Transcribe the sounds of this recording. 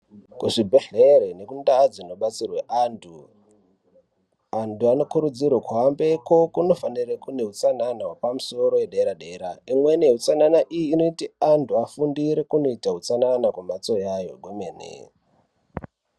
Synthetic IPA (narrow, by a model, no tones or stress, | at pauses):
kuʐibʱe̞ɮeɾene̞kundad͡zino̞ɓat͡sirweʔaːntʰu | antuano̞kuɾud͡zirwakuɦambe̞ko̞kuno̞fanirekune̞ɦut͡sananawepamuso̞ɾo̞weɗeɾaɗeːɾaimwene̞ɦut͡sananaʔijiːno̞itiantʰuafundiɾe̞kuno̞itaɦut͡sananakwumat͡so̞jajo̞̰ɡʱomeːnḛ